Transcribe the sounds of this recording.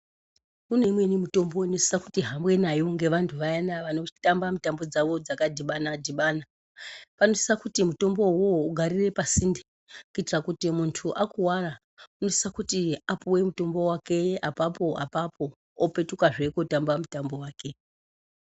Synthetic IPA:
kune̞mwe̞nimuto̞mbo̞ino̞si̥sakutiɦambwe̞najo̞ŋɡe̞ʋantʰuʋajanaʋano̞tambamutambo̞d͡zaʋo̞d͡zakadʱiɓanadʱiɓaːna | pano̞si̥sakutimuto̞mbo̞wouɡʱaɾire̞pasinde | kuitirakutimuntʰuʔakuwara | uno̞si̥sakutiapuwe̞muto̞mbo̞wake̞apapo̞a̰papo̞ː | pe̞tukaʐe̞ko̞tambamutambo̞waːke̞

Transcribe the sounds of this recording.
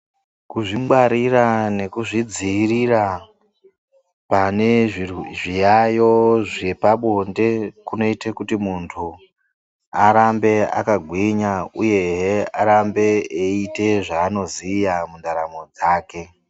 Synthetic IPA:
kuʐimɓaɾirane̞kuʐid͡ziːrira | pane̞ʐiʐijajo̞ʐepaɓonde̞kuno̞itekutimuntʰu | aɾambe̞a̰kaɡʱwiɲauje̞ɦeaɾambe̞eite̞ʐaːno̞ziːjamundaɾamo̞d͡zaːke̞

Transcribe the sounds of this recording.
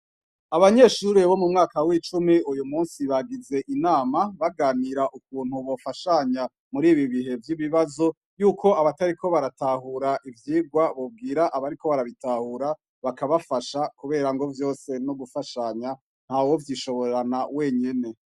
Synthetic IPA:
aβaɲe̞ːʃuɾeβo̞mumŋaːkawit͡ʃumiujumuːnsiβaɡize̞ʔinaːmaβaɡaːniɾaʔuk̚uːn̥huβo̞faʃaɲa | muɾiːβiβihe̞vjiβiβazo̞ | juːkʰo̞aβataɾikʰo̞βaɾatahuɾaʔivjiːɡɡwaβob̚ɡiːɾaʔaβaɾiko̞βaɾaβitahuɾa | βakaβafaʃakuβe̞ːɾaŋɡo̞vjo̞ːse̞noɡufaʃaɲa | n̥hawo̞vjiʃo̞βo̞ɾɾanawe̞ːɲe̞ne̞

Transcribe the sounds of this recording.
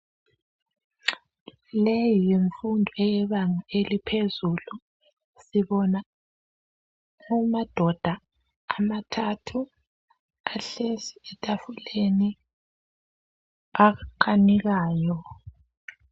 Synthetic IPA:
lejijeɱfundʱɔɛjɛβaŋaelipʰezulu | siβɔna | umad̥ʱɔd̥ʱaː | matʰatʰu | aɬesiɛtʼafuleni | akʰaniɣaːjɔ

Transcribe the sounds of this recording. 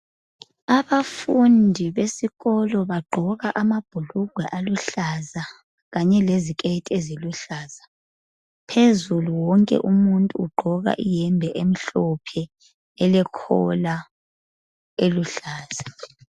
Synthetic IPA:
aβafundʱiβesiɣɔlɔβaɡ͡ǃʱɔɣaʔamab̥ʱuluɡ̥ʱwɛʔaluɬaza | ɣaɲɛlezikʼetʼeziluɬaːza | pʰezuluwɔŋkʼɛ̰ʔumuntʼuːɡ͡ǃʱɔɣa̰ʔijɛmbʱɛʔem̩ɬɔpʰɛ | ɛlɛkʰɔ̰la | eluɬaːz̥a

